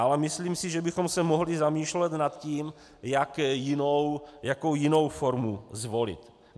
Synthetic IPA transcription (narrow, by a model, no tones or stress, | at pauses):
ʔalɛmɪsliːmsiʒɛbɪxomsɛmoɦlizamiːʃlɛt̪nat̪ciːm | jakjɪnowjakowjɪno̞wfoɾmuzvolɪ̰t̪